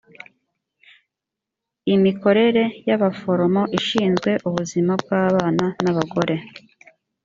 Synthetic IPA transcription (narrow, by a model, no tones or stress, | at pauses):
imiko̞ɾe̞ɾe̞jaβafo̞ɾo̞mo̞ʔiʃiːnzɡwe̞ʔuβuzimab̚ɡaːβaːnanaβaɡo̞ɾʔe̞